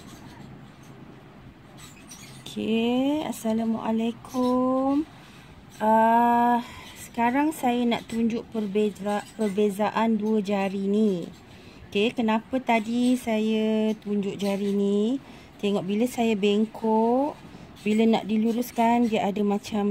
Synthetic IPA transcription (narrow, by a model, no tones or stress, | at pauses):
okʰea̰salamṵʔa̰lekʰʊm | ə | sə̥kaɾaŋsajəna̰ʔt̪uɲd͡ʒʊʔpərbeapərbezaʔanduəd͡ʒaɾini | okekənãpət̪adisajət̪uɲd͡ʒʊʔd͡ʒaɾini | t̪eŋɔʔbiləsajabeŋkʰɔʔ | biləna̰ʔdiluɾuskandiəʔadamãt͡ʃam